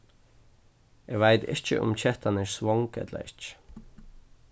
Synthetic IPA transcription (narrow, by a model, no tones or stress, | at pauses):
ʔeɡʋæɪt̪ɪ̰t͡ʃə̰ʔʊ̰mc͡çɛt̪ʰɑnæɹsʋɔŋkɛ̰t̪lə̰ɾɪt͡ʃ